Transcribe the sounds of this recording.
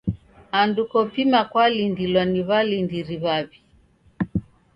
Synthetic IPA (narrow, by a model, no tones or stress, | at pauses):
andukɔpimakwalindilwaniβalindiɾiβaβi